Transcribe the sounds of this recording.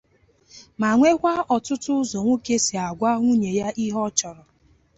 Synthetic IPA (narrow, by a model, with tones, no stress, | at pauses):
ma˨ŋʷe˦kʷa˦ɔ˨tʊ˦tʊ˦ʊ˦zɔ˨ŋʷo˦ke˦si˨a˨ɡʷa˦ŋʷu˦ɲe˨ja˦ʔi˦ɦɔ˦t͡ʃɔ˨ɾɔ˨